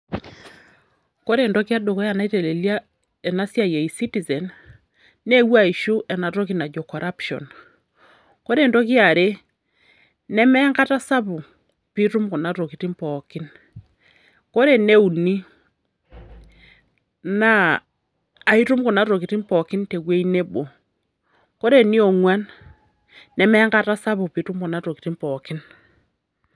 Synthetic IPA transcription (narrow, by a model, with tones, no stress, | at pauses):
ko˦ɾe˨ndɔ˦kja˦do˨kɔ˦ja˨na˦i˦te˨le˨lja˦ | ɛ˨na˦sja˦je˨i˨si˦ti˨zɛ˨n | ne˦wa˦˨i˨ʃu˦ʔɛ˨na˨to˦k̬i˦na˨d͡ʒɔ˨kɔ˨ɾʔa˦pʃɔ̰˨n | ko˦ɾe˨ndɔ˦k̬ja˨ɾe˦ | nɛ˦mɛ˦ŋɡa˦ta˦sa˦βu˨ | pi˦ɾu˦mku˨na˦ɾo˨ki˨ti˦mpɔ˨ki˦n | ko˦ɾe˦˨ne˦u˨ni˦ | na˦ | a˨i˦ɾu˦mku˨na˨˦ɾo˨ki˨ti˦mpɔ˨ki˦nte˨kwe˦i˦ne˦bo˨ | ko˦ɾe˨ni˦o˨ŋwa˦nː | ɛ˨mɛ˦ŋɡa˦ta˦sa˦βu˨pi˨ɾu˦mku˨na˨˦ɾo˨ki˨ti˦mpɔ˨ki˦n